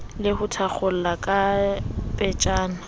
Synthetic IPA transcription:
lɪhʊtʰak͡xʰʊl̩lakʼapʼɛt͡ʃʼaːna

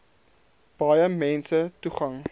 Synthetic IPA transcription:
b̥ɐjəmɛnsətuχɐŋ

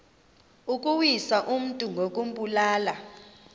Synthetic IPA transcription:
ukʼuwisaʔum̩tʼuŋɡʱokʼum̩pʼulaːla

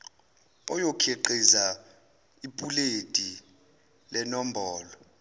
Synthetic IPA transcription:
ɔjokʰeǃiza | ipʼuletʼi | lɛnɔm̩bʱɔːlɔ

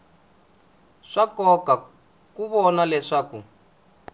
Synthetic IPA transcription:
ʂakɔka | kuβɔnalɛʂaːkṵ

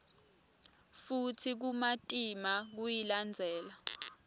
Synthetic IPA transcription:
futʰik̬umatʼimak̬ujiland͡zʱɛːla

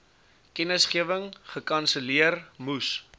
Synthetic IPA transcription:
kɛnəsχiəvəŋχəkɐnsəliərmus

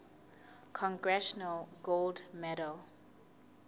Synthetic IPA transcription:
kʰɔ̃ŋɡɹɛʃɔnalɡoldmɛɾəl

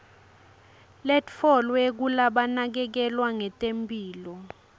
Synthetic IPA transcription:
lɛtfɔlwek̬ulaɓanak̬ɛk̬ɛlwaŋɛtʼempʼiːlɔ

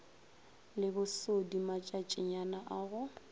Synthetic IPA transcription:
lɪbʊsodimat͡ʃʼat͡ʃʼɪɲanaʔaːɣʊ

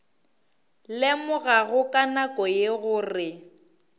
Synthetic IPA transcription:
lɪmʊɣaɣʊkʼanakʼɔjeɣʊːrɪ

